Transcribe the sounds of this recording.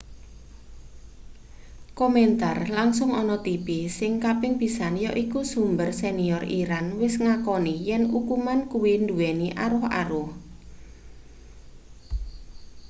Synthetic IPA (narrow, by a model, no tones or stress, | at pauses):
kɔmɛnt̪arlaŋsʊŋɔnɔt̪ipisɪŋkapɪŋpisanjɔʔikusumbərseniɔriɾanwɪsŋakɔnijɛnukumankuwind̪uwɛniʔa̰ɾʊha̰ɾʊh